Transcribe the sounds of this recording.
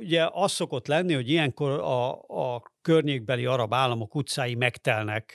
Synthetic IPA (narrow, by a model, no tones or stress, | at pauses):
uɟɛʔɒst̪ːo̞ko̞t̪lɛnːiho̞ɟijɛŋkorɒː | kørɲeːɡ̚bɛliɒɾɒbaːlːɒmo̞kut̪saːjimɛkt̪ɛlnɛk